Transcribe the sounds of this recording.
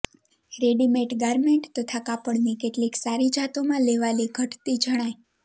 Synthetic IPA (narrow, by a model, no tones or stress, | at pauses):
ɾeɖimeʈɡaɾmeɳʈt̪ət̪ʰakapəɽnikeʈliksaɾid͡ʒʱat̪omãleʋaliɡʱəʈt̪id͡ʒəɽ̃aj